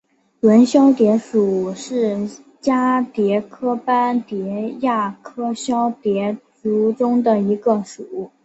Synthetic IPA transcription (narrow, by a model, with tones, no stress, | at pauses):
lwə˧˥nɕjɑ˥ʊt̪jɛ˧˥ʂu˨˩ʂɻ̩˥˩ | t͡ɕja˥t̪jɛ˧˥kʰɤ˥pa˥nt̪jɛ˧˥ja˥˩kʰɤ˥ɕjɑ˥ʊt̪jɛ˧˥t͡su˧˥ʈ͡ʂʊ˥ŋd̪ə˨i˧˥ɡə˧ʂu˨˩˥